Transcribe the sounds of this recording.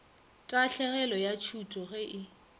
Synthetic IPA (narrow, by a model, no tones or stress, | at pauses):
tʼaɬɛɣɛlɔjat͡ʃʰutʼɔɣɛʔɪ